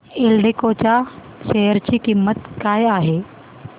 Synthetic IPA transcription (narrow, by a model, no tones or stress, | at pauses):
elɖekoːt͡ʃa | ʃejəɾt͡ʃikimːət̪kaːjaːɦeː